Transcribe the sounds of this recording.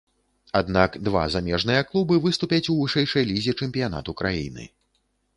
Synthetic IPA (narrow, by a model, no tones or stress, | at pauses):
ad̪nakd̪va̰zamʲɛʐn̪ɨjɐklˠubɨvɨst̪upʲɐt͡sʲuvɨʂɛjʂɐɛjlʲizʲit͡ʂɛmʲpʲijan̪a̰t̪ukɾajḭnɨ̰